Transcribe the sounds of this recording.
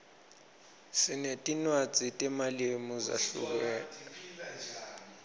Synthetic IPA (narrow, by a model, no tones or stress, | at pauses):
sɪnetʼinwat͡sʼitʼɛmalemuza̰ɬṵk̬wɛːna